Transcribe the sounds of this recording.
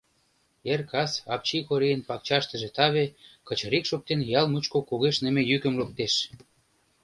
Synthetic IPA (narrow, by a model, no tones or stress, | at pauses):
erkʰɑsɑpt͡ɕikoɾejənpɑk̚t͡ɕɑʃt̪ə̆ʒĕt̪ɑβekə̆t͡ɕə̆ɾikʃok̚t̪enjɑlmut͡ɕkokoɣeʃnə̆mejykə̆mlok̚t̪eʃ